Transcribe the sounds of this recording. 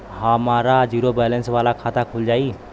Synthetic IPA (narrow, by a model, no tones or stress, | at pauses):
ɦəmaɾad͡ʒuɾobɛlənsʋalakʰat̪akʰuld͡ʒaːi